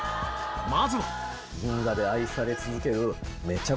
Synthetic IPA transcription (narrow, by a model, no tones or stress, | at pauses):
mazɨ | ɡɯ̃ŋɡad̪e̞aisaɾe̞t͡sɨzɨke̞ɾɯ̟me̞t͡ɕːa